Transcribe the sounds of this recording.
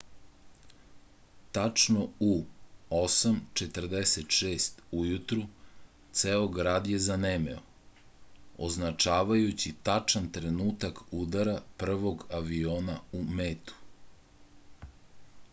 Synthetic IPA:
t̪at͡ʂno̞uosamt͡ʃet̪r̩d̪eset̪ʃeːst̪ujut̪ɾu | t̪seːoɡɾaːd̪je̞zanemḛo̰ | o̰znat͡ʃaːʋajut͡ɕit̪at͡ʂant̪ɾe̞nuːt̪akud̪aɾapr̩ʋo̞ɡaʋioːnaumeːt̪u̥

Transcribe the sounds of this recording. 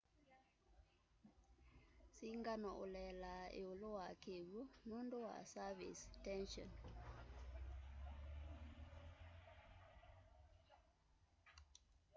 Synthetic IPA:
siŋɡanɔʔo̰lɛlaḛolowakeβunundowa̰savḭstɛnʃɔ̰n

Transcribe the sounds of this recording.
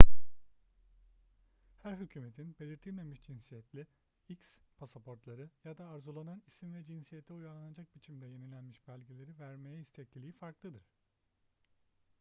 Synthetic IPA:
hæɾɦycʰyːmet̪ʰinbelʲiɾt̪ʰilʲme̞miʃd͡ʒinsijɛt̪lʲi | icspʰasapʰo̞ɾt̪lˠaɾɯjad̪aːɾzulˠananisimvɛd͡ʒinsijɛt̪ʰːɛujaɾanad͡ʒak̚bit͡ʃʰimd̪ɛje̞nilʲænmiʃbælʲɟelʲe̞ɾivæɾme̞jɛist̪ʰɛt̪lʲilʲiifaɾklˠɯd̪ɯɾ̥

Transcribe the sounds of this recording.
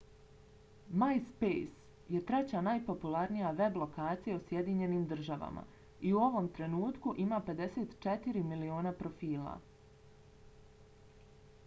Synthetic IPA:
majspejs | je̞t̪ɾe̞t͡ɕanajpo̞pulaɾnijaʋe̞blˠo̞kaːt̪sijausje̞d̪iɲe̞nimd̪r̩ʒaʋa̰mʔa̰ | iuo̞ʋo̞mt̪ɾe̞nuːt̪kuʔimaːpe̞d̪e̞seːt̪t͡ʃe̞t̪iɾimilio̞ːnapɾo̞fiːlˠa̰

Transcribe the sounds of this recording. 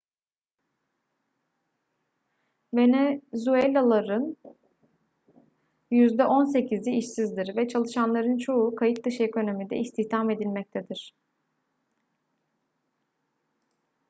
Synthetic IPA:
venezuelʲːalˠaɾɯn | jyzd̪ɛʔo̞nse̞cʰizʲiiʃsizd̪iɾvɛt͡ʃʰalˠɯʃanlˠaɾɯnt͡ʃʰo̞ukʰajit̪̚d̪ɯʃeko̞no̞mid̪ɛ̰ist̪ʰiht̪ʰame̞d̪ilʲmɛc̚t̪ʰɛd̪iɾ̝̥

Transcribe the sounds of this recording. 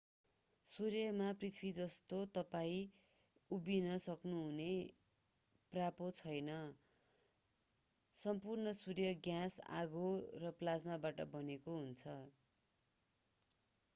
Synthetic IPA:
surjʌmaprit̪ʰbid͡zʌst̪ot̪ʌpaĩ | ubinʌsʌknuɦune | prapot͡sʰʌjnʌ | sʌmpurnʌsurjʌɡjasa̰ɡorʌplad͡zmabaʈʌ̰bʌnekoɦunt͡sʰʌ

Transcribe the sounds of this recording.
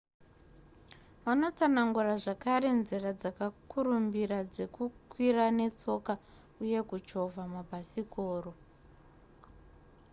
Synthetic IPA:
ʋano̞t͡sanaŋɡuraʐakaɾe̞nzirad͡zakakuɾumbiɾad͡ze̞kukwirane̞t͡so̞ka | uje̞kut͡ʃo̞vʱamabʱasikʰoːro

